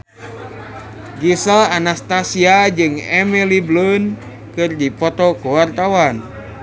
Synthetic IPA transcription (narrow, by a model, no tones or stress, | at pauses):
ɡisəlanast̪asiad͡ʒɨŋɛmiliblun | kɨrdipɔt̪ɔkuwart̪awan